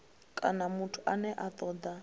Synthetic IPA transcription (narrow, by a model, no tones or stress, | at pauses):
kʼanamutʰu̥anɛʔat̪ʼɔːd̪a